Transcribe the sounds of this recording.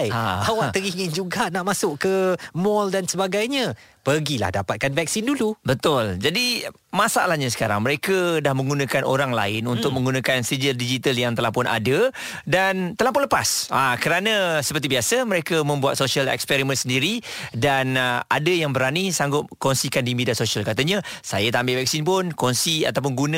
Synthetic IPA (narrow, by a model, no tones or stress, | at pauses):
jaawat̪əɡiŋɪnd͡ʒuɡaʔnaʔmasʊʔkəmɔldansəbaɡajɲãpərɡila̰hdapat̪̚kanvɛk̚sindulubət̪ʊld͡ʒadi | masaalahɲasə̥kaɾa̰ŋməɾekədahmə̃ŋɡunãkano̰ɾaŋla̰ɪnunt̪ʊk̚mə̃ŋɡunãkansid͡ʒəldid͡ʒit̪əljaŋt̪əlahpʊna̰də | dant̪əlahpʊnləpasakəɾanə̃səpərt̪ibiasəməɾekəmə̃mbuat̪̚sosiəlɛ̰kspɛɾimə̃nsəndiɾidanadəjaŋbəɾanisaŋɡʊt̪̚kɔnsikandimidiasosialkat̪əɲãsajat̪ambɪlvɛk̚sinpʊnkɔnsia̰t̪awp̬ʊnɡunə̃